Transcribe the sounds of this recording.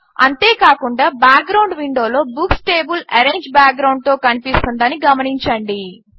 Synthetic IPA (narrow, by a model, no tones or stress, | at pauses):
ɐ̰nt̪e̞ːkaːkuɳɖaːbaːk̚ɡɾɐwɳɖʋiɳɖo̞ːlo̞ːbuksʈeːbulɐɾeːɲd͡ʒbaːk̚ɡɾɐwɳɖ̚t̪o̞ːkɐnipist̪und̪ɐniɡɐmɐniɲt͡ʃɐɳɖi